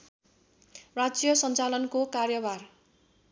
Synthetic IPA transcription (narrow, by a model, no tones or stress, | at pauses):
rad͡zijʌsʌnt͡salʌnkokarjʌbar